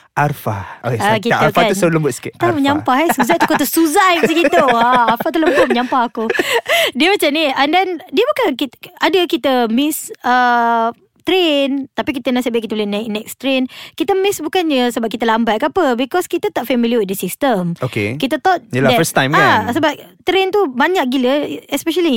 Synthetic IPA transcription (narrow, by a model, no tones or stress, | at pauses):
ʔarfao̰keakit̪akaaələmbʊt̪skit̪aməɲampahɛsuzajt̪ukot̪usuzajksikit̪uaarfat̪ələmbʊt̚məɲampahakudiəmat͡ʃamniəndɛndiəbukankit̪adəkit̪əmisə | t̪ɾent̪apikit̪ənãsəbakit̪əbəlenɛk̚nɛkst̪ɾenkit̪əmisbukanɲəsəbap̚kit̪əlambaʔ̚kəapəbikɔskit̪ət̪aʔfɛmiljəwit̪̚dəsist̪əmokḛkit̪ət̪ɔt̪̚ldɛəstãjmaasəbap̚t̪ɾent̪ubaɲaʔ̚ɡiləɛspɛʃəli